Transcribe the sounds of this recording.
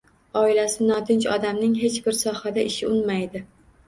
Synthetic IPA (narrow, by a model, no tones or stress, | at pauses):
ɒɪlasɪnɒt̪ʰɪnt͡ʃɒd̪amnɪŋɦe̞t͡ʃbɪɾsɒhad̪aʔɪʃɪʊnmajd̪ɪ